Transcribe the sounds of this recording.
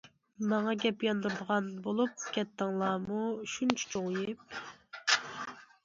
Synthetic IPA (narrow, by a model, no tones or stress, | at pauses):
mɑŋɑɡʲɛpjɑnd̪uɾd̪əʁɑnbolˠup̚kʲɛt̪ːɪŋlˠɑːmuʃunt͡ʃʰɛ̥t͡ʃʰoŋjɪp̚